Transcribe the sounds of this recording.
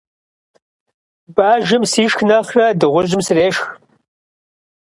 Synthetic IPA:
baːʒɪmsiːʃxnɐχrɐdɨʁʷʊʒɪmsɨreːʃx

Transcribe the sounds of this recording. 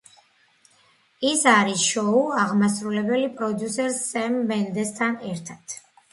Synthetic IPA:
isaɾisʃɔuaʁmasɾulɛbɛlipʼɾɔd̪jusɛɾsːɛmːɛnd̪ɛst̪ʰanɛɾt̪ʰat̪ʰ

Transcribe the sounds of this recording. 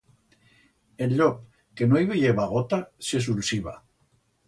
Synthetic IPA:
elʎop̚ | kenoiβeʎeβaɣ̞ot̪ases̬ulsiβa̰

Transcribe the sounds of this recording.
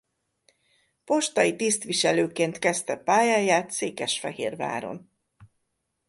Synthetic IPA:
po̞ʃt̪ɒjit̪ist̪ʋiʃɛløːkeːnt̪kɛst̪ɛpaːjaːjaːt̪seːkɛʃfɛɦḛːrva̰ːɾo̞̰n

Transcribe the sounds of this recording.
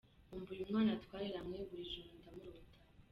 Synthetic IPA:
umbujumŋaːnatwaːɾeɾamŋeβuɾiʒuːndamuɾotʰḁ

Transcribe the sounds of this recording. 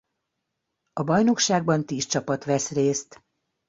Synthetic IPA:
ɒbɒjno̞kʃaːɡ̚bɒnt̪iːst͡ʃɒpɒt̪ʋɛsreːst̪

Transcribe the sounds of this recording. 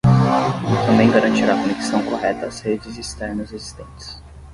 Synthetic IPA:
t̪ɐ̃mbẽj̃ɡaɾɐ̃t͡ʃiɾakoneki̥sɐ̃w̃koɦɛt̪ɐːshed͡ʒɪzist̪ɛɾnɐzezist̪ẽnt͡ʃɪ̥s

